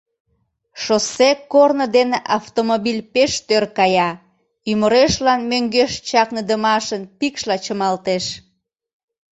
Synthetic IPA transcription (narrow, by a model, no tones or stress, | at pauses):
ʃosekːornəd̪eneʔɑft̪omobilʲpeʃt̪ørkɑjɑ | yməɾeʃlɑnmøŋɡeʃt͡ɕɑknəd̪əmɑʃənpikʃlɑt͡ɕəmɑlt̪eʃ